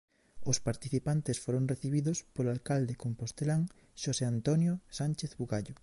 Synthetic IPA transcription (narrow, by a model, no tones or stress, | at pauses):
ospaɾt̪iθipant̪esfoɾoŋreθiβ̞iðospoloalkald̪ekompost̪elaŋ | ʃoseant̪onjosanʲt͡ʃeθβuɣaʎo